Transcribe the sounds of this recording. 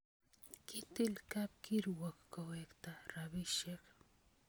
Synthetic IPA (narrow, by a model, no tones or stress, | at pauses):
kɪt̪ɪlkap̚kɪɾwakkawekt̪aɾabɪʃeχ